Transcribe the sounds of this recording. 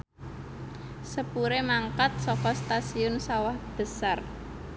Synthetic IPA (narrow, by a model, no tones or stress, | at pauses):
səpuɾemaŋkat̪̚sɔkɔst̪asiʊnsawahb̥ə̤sar